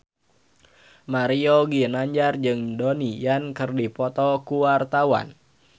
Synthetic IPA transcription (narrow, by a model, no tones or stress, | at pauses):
maɾioɡinaɲd͡ʒard͡ʒɨŋdonijankɨrdipɔt̪ɔkuwart̪awa̰n